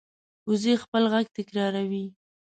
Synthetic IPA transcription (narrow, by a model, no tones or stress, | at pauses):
ʊzexpəlɣaɡ̚t̪ɪkɾɑɾawi